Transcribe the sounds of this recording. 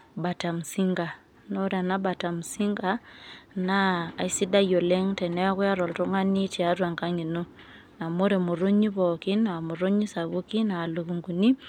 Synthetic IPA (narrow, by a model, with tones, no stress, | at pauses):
ba˨ta˨m̩˨si˦ŋɡa˨ | no˦ɾa˨na˦ba˨ta˨mu˨si˦ŋɡa˦naː˦˨i˦si˦da˦jo˨le˦ŋtɛ˨nɛ˦a˦kwja˦ɾɔ˨lto˦ŋa˦ni˦ti˨a˦twa˨ŋka˦ŋi˨no˦ | na˨mo˦ɾe˨mo˨ɾo˦ɲi˦βɔ˨ki˦na˨mu˨ɾo˦ɲi˦sa˨βu˦ki˦naː˨lu˨ku˨ŋɡu˨ni˦